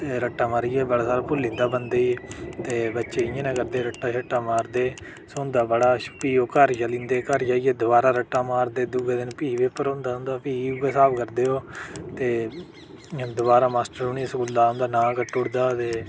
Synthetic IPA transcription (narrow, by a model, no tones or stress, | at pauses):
t̪eːɾəʈːaːmaːɾijeːbəɽaːsaːɾaːpʊlːĩːnd̪aːbənd̪eːiːt̪eːbətːʃeːɪjãːnɛ̃ːkəɾd̪eːɾəʈːaːʃəʈːaːmaːɾd̪eː | soɦʊ̃nd̪aːbəɽaːpiːoːkəɾd͡ʒəlĩːnd̪eːkəɾd͡ʒaːiːeːd̪ʊbaːɾaːɾəʈːaːmaːɾd̪eːd̪uɡeːd̪ɪnpiːʋeːpəɾõːnd̪aːɦʊ̃nd̪aːpiːuɡeːsaːbkəɾd̪eːɦoːt̪eː | d̪ʊbaːɾaːmaːsʈəɾʊniːsɡʊld̪aːɦʊ̃nd̪aːnãːkəʈːʊɽd̪aːt̪eː